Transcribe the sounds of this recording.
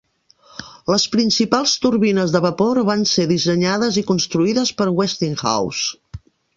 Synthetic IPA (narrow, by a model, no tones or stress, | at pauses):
ləspɾinsipalˠst̪uɾβinəzðəβəpoɾβanseðisəɲaðəzikunst̪ɾuiðəspəɾwɛst̪iŋxa̰ws